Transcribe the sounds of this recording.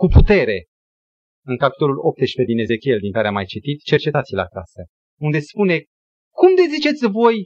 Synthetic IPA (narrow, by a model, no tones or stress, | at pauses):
kuput̪e̞ɾe̞ | ɨŋkapi̥t̪o̞lulo̞p̚t̪eʃpe̞d̪ine̞ze̞kʲield̪iŋkaɾeamajt͡ʃit̪it̪t͡ʃe̞rt͡ʃe̞t̪at̪sileakasə | und̪e̞spune̞ | kumd̪e̞zit͡ʃe̞t̪sʲvo̞j